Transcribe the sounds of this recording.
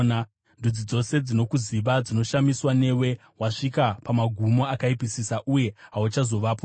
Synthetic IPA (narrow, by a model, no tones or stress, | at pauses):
n | ndud͡zid͡zo̞se̞d͡zino̞kuziʋad͡zinoʃamiswane̞we̞ | waʂikapamaɡʱumo̞akaipisisaʔuje̞ɦaut͡ʃazo̞ʋaːpo